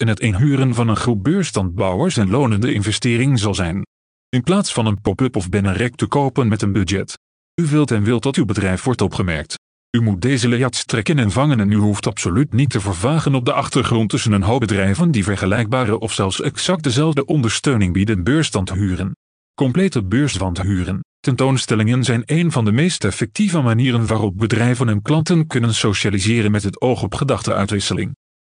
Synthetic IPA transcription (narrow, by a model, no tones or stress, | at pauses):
ɛnɦətenɦyːrənvɑnənχubøːɹstɑnd̚bɑwəɹsɛnlownəndəɪnvɛstɪːrɪŋzɑlˠzɛjn | ɪnplaːtsfɑnənpopɵpɔvbɪnənrɛk̚təkowpənmɛtənbydd͡ʒɛt | yʋɪlˠtɛnʋɪlˠtdɑtywbədrɛjfʋɔɹtɔpχəmɛ̰ɹk̚t | ymut̚dejzəlejɑtstrɛkənɛnvɑŋənɛnyɦuftɑpsolytnitʰəvəːɹvaːχənɔb̚dəʔɑχtəɹχrɔntɵsənənɦowbədrɛjvəndivɛɹχəlɛjɡ̚baːɾəʔɔfsɛlˠfsɛksɑk̚t̚dəzɛlˠvdəʔɔndəɹstøɥnɪŋbidənbøːɹstɑntəɦyːrən | kɔmplejtəbøːɹsʋɑntəɦyːrəntɛntownstɛlɪŋənzɛjnejnvɑndəmejstɛfɛk̚tivəmaniːrənʋaːrɔp̚bədrɛjvənɛnklɑntənkɵnənsowʃaːlizɪːrənmɛtɦətowχɔpχədɑχtəʔœ̰ɥtʋɪsəlɪ̰ŋ